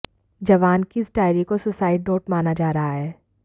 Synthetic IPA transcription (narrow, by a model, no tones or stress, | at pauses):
d͡ʒɐʋaːnkiɪsʈaːɪɾikosʊsaːɪɖoːʈmaːnad͡ʒaːɾɐɦaɦɛː